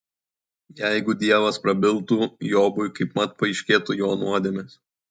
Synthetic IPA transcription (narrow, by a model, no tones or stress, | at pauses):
jɛɪɡʊd̪ʲiɛʋɐspɾɐbʲɪlˠt̪uːjoːbʊjkɐɪpmɐt̪̚pɐɪʃʲkʲeːt̪ujoːnuɔd̪ʲemʲeːs